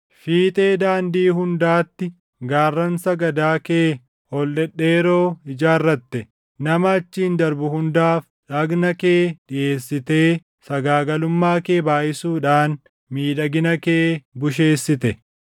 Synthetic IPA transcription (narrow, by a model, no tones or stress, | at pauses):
fiːt̪ʼe̞ːd̪aːnd̪iːhʊnd̪aːt̪ːɪ | ɡaːrːɐnsɐɡɐd̪aːkeː | hɔlːɛɗːe̞ːɾo̞ːɪd͡ʒaːrːɐt̪ːɛ | nɐmɐːt͡ʃːiːnd̪ɐɾbʊhʊnd̪aːf | ᶑɐɡnɐkeːᶑɪʔe̞ːsːɪt̪e̞ː | sɐɡaːɡɐlʊmːaːkeːbaːʔɪsuːᶑaːn | miːᶑɐɡɪnɐke̞ːbʊʃ̬e̞ːsːɪt̪ɛ